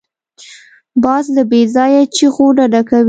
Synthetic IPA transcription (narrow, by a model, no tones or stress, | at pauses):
bɑzləbezɑjat͡ʃixoɖaɖakawi